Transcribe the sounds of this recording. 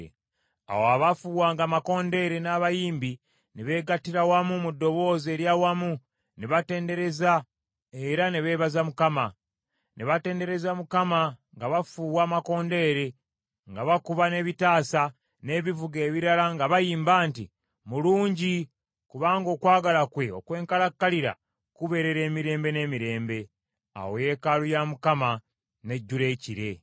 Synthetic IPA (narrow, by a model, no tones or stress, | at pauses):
a̰woaβafuwaːŋɡamako̞ːnde̞ɾe̞naːβajiːmbi | niβe̞ːɡatiɾawamumudːo̞βo̞ːze̞ːɾjaːwamu | niβate̞ːnde̞ɾe̞za | eɾaneβe̞ːβazamukama | niβate̞ːnde̞ɾe̞zamukamaŋɡaβafuːwaːmako̞ːnde̞ːɾe̞ | ŋɡaβakuβane̞ːβitaːsa | ne̞ːβivuɡe̞ːβiɾalaŋɡaβajiːmbaːntḭ | muluːɲɟi | kuβaːŋɡo̞ːkwaːɡalakwe̞o̞kwe̞ːŋkalakːaliɾa̰ | kuβe̞ɾe̞ɾe̞ːmiɾe̞ːmbe̞ne̞ːmiɾe̞ːmbe̞ | a̰woje̞kalujamukama | ne̞ɟːule̞ːciɾe̞